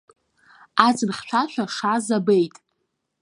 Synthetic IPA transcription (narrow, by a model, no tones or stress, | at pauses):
at͡sʼɨnχʲʃʷʰaʃʷᶣaʂaːzabe̞jtʼ